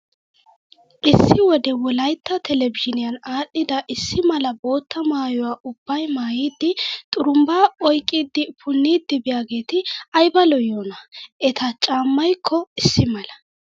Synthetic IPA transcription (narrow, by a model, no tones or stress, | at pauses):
ʔɪsːɪwɔd̪ɛwɔlɐjt̪ːɐt̪ʰɛlɛvɪʃɪnɪjɐnaːɗːɪd̪ɐʔɪsːɪmɐlɐbo̞ːt̪ːɐmaːjʊwaːʔʊb̥ːɐjmaːjiːd̪ːɪt̪ʼʊɾʊmbaːɔjkʼːid̪ːɪpʰʊnːiːd̪ːɪbɪjaːɡe̞ːt̪ɪɐjbɐlɔjoːnɐʔɛt̪ʰɐt͡ʃʼaːmːɐjkʰːɔɪsːɪmɐlɐ